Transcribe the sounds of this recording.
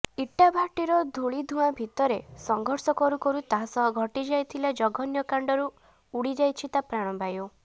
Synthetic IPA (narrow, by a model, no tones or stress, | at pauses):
iʈːabʱaʈiɾɔd̪ʱuɭid̪ʱuabʱit̪ɔɾesɔŋɡʱɔɾsɔkɔɾukɔɾut̪aɦasɔɦɔɡʱɔʈid͡ʒajt̪ʰilad͡ʒɔɡʱɔnjɔkaɳɖɔɾu | uɽid͡ʒajt͡ʃʰit̪apɾaɽ̃ɔmbajo